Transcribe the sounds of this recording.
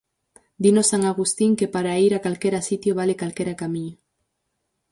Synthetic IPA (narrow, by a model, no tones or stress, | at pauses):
d̪inosaŋaɣ̞ust̪iŋkepaɾaiɾakalkeɾasit̪joβ̞alekalkeɾakamiɲo